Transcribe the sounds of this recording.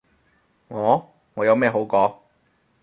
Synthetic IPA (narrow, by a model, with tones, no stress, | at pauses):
ŋɔː˨˧˥ | ŋɔː˨˧jɐ˨˧wmɛː˥˧ɦo˨˥wkɔː˨˥